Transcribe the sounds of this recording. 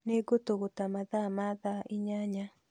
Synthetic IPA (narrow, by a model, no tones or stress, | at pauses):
neɡotoɣotamaðamaðaɪɲaɲa